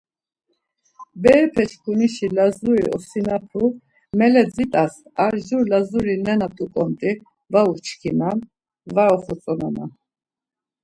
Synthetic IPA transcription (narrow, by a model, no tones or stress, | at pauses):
bɛɾpʰɛt͡ʃʰkʰuniʃilazuɾiʔɔ̰sinapʰu | mɛlɛd͡zit̪ʼasaɾʒuɾlazuɾinɛnat̪ʼukʼɔmt̪ʼi | vaut͡ʃʰkʰinan | vaɔχɔt͡sʼɔnana̰